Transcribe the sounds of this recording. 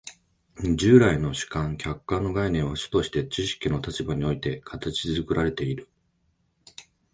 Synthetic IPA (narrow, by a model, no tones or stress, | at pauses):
d͡ʑɨːɾaino̞ɕi̥kãŋkʲʰakːanːo̞ɡainẽ̞ɰ̃βaɕɨ̥t̪o̞ɕi̥t̪e̞t͡ɕiɕi̥kʲino̞t̪at͡ɕibaɲ̟io̞it̪e̞kʰat̪at͡ɕizɨkɯ̟ɾʔaɾe̞t̪e̞iɾɯ̟